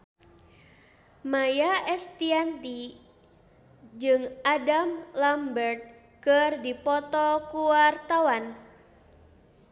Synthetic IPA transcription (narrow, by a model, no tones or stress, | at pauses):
majaʔɛst̪iant̪i | d͡ʒɨŋadamlambərt̪̚ | kərdipɔt̪ɔkuwart̪awan